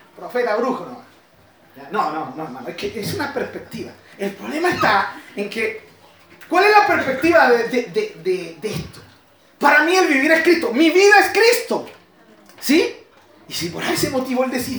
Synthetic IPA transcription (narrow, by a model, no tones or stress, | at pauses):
pɾofet̪aβɾukonoa | janononomanoeskeʔesunapeɾspe̞k̚t̪iβa̰elpɾo̞βle̞maest̪aeŋke | kwale̞zlapeɾspe̞k̚t̪iβaðeðeðed̪ed̪eest̪o̥ | paɾamie̞lβiβiɾaeskɾit̪omiβiðaeskɾist̪o | si | isipo̞ɾaisemo̞t̪iβoeld̪esiɾ